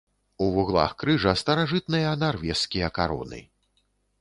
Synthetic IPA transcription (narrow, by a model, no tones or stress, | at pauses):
uvuɣlˠa̰xkɾɨʐɐst̪ɐɾaʐɨt̪̚nɨjɐnarvʲɛskʲijɐkaɾɔ̰nɨ̰